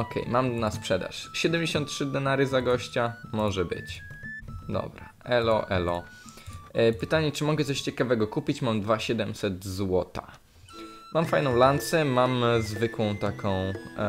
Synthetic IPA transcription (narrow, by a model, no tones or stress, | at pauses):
ɔkʰɛ̰jmamnaspʂɛd̪a̰ʂɕɛd̪ɛmd͡ʑeɕɔnt̪̚tʂɘd̪ɛnaɾɘzaɡɔɕt͡ɕamɔʐɛbɘ̰t͡ɕ | d̪ɔ̰bɾa | ɛlɔʔɛlɔ̰ | pɘt̪aɲɛt͡ʂɘmɔɡɛt̪sɔɕt͡ɕɛkavɛɡɔkupʲit͡ɕmamd̪vaɕɛd̪ɛmsɛt̪zwɔt̪a | mamfajnɔ̃w̃lant̪sɛmamzvɘkwɔ̃w̃t̪akɔ̃w̃